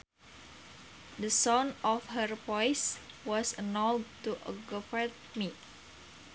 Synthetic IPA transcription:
dəsɔ̃nɔfhərpɔjs | wɔsənɔltuʔəɡɔfɛt̪̚ | mi

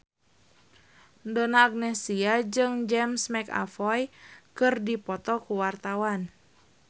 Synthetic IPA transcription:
ndɔnaːɡ̚nɛsiad͡ʒɨŋd͡ʒɛmsmɛka̰fɔjkɨrdipɔt̪ɔkuwart̪awan

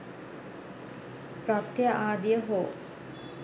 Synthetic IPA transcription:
pɾat̪jaʔaːd̪ijəɦoː

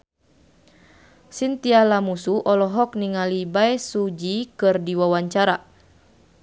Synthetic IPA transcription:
sint̪ialamusuʔɔlɔɦɔk̚niŋalibaɛsud͡ʒikɨrdiwawaɲt͡ʃaɾa

